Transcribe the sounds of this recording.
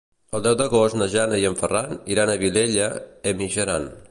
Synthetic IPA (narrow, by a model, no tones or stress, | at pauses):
əlˠd̪ɛwd̪əɣost̪nəʒanəiəɱfəraniɾanəβileʎəəmiʒəɾan